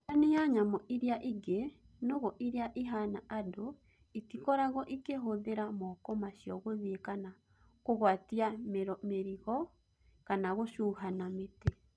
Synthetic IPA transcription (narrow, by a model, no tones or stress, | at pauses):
anejaɲamɔʔiɾiaʔiɡe | noɣɔʔiɾeaʔiɦanaado | itikɔɾaɣɔʔikeɦoðeɾamɔkɔmaʃjɔɣoðekana | koɣwatiameɾmeɾiɣɔ | kanaɣoʃuɦanamete